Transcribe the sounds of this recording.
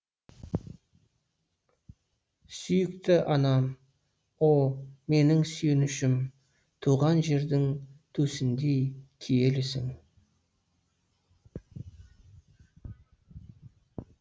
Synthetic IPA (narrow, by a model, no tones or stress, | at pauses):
sʏjɪkt̪ɪʔɑnɑm | olˠme̞nɪŋsʏjenɪʃɪm | t̪ʰuʁɑnʒe̞ɾd̪ɪŋt̪ʰɵsɪnd̪ejkʲʰije̞lɪsɪ̰ŋ